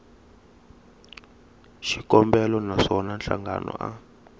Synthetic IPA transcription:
ʃikʼɔmbɛlɔnaʂɔnanɬaŋɡa̰nɔ̰ʔa

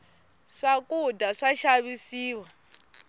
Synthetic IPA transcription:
ʂakʼudaʂaʃaβisiːwa

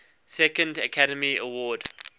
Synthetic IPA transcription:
sɛkə̃ndəkʰaɾəmiə̰wɔːd

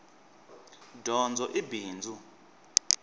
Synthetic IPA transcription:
dʱɔnd͡zʱɔʔibʱiːnd͡zʱu

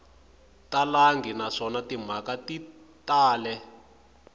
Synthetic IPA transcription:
talaŋɡinaʂɔnatim̤akati | taːlɛ

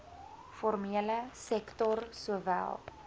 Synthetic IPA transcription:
fɔrmiələsɛktɔrsuəvæ̰lˠ

